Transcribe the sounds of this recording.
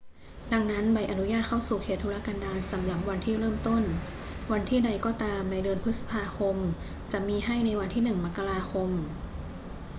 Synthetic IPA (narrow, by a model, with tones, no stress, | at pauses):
da˧ŋna˦˥nba˧˩jʔa˨˧nu˦˥jaː˥˩t̪̚kʰa˥˩wsuː˨˩kʰeː˨˩t̪ʰːu˧la˧˥kaː˧ndaː˧nsa˩˦mla˨˩p̚wa˧nt̪ʰiː˥˩ɾɤː˥˩mt̪o˥˩n | wa˧nt̪ʰiː˥˩da˧jkɔː˧˩t̪aː˧mna˧jdɯː˧npʰɯ˦˥t̪̚sḁ˧pʰaː˧kʰo˧m | t͡ɕa˨˩ʔmiː˧ɦa˥˩jna˧jwa˧nt̪ʰiː˥˩nɯ˨˩ŋma˦˥kːa˧ɾaː˧kʰo˧m